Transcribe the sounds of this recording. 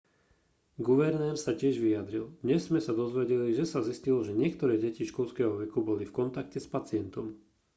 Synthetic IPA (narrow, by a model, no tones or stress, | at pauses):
ɡuʋɛɾnɛɾsacɪɛʒʋiad̪ɾild̪ɲɛzːmɛsad̪ɔzʋɛɟɛliʒɛsaziscilɔʒɛɲɪɛkt̪ɔɾɛːɟɛciʃkɔlskɛːɦɔʋɛkubɔlifkɔnt̪akcɛspat͡sɪɛnt̪ɔm